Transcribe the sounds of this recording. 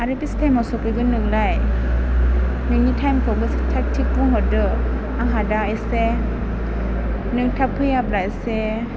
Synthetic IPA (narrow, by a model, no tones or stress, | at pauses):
aɾipistʰajmawsɔkɾiɡɯnɯŋlaj | nɯnitʰajmkʰɔɡɯsitʰak̚tʰikːɔŋɦɔdɯ | aŋɦadaese | nɯŋtʰapʰɯjap̚lajse